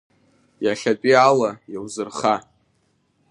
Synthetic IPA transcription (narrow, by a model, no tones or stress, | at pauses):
jaχʲat͡pʷʼialajawzɨrχa